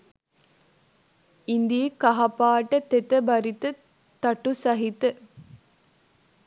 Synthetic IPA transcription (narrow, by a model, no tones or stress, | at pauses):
ind̪iːkɐɦɐpaːʈət̪et̪əbɐɾit̪ə | t̪ɐʈusɐɦit̪ə